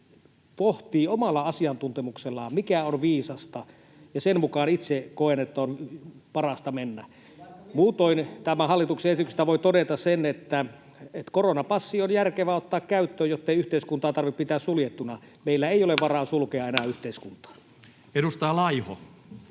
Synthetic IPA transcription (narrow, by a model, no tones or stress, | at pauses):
poht̪iːomɑlːɑɑsiɑnt̪unt̪emukselːɑ̰mikæonʋiːsɑst̪ɑ | jɑsenmukɑːnit̪sekoenet̪ːonpɑrɑst̪ɑmenːæ | muːt̪oint̪æmæhɑlːit̪ukseesit̪ykse̥st̪æʋoit̪odet̪ɑssenet̪ːæ | et̪koronɑpɑsːionjærkeʋæot̪ːɑːkkæyt̪ːøːjot̪ːeiyht̪eiskunt̪ɑːt̪ɑrʋippit̪æːssuljet̪ːunɑ | meilːæeijoleʋʋɑrɑːnsulkeɑenæːyht̪eiskunt̪ɑ̥ː | edust̪ɑːlɑiho̰